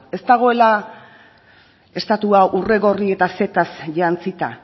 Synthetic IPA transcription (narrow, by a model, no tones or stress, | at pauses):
e̞st̪aɣ̞o̞e̞la | e̞st̪at̪uaʔure̞ɣo̞rie̞t̪ase̞t̪asʝant͡sit̪a